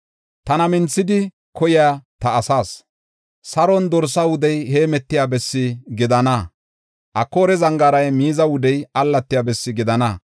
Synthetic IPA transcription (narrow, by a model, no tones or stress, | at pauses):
t̪ɐnɐmɪnt͡sːɪd̪ɪ | kʰɔjɪjat̪ɐːsaːs | sɐɾɔnd̪ɔɾsawʊd̪ɛjhe̞ːmɛt̪ːɪjaːbɛsːɪɡɪd̪ɐnɐ | ʔɐkːoːɾɛzɐŋɡaɾɐjmiːzɐwʊd̪ɛjɐlːɐt̪ːɪjaːbɛsːɪɡɪd̪ɐnɐ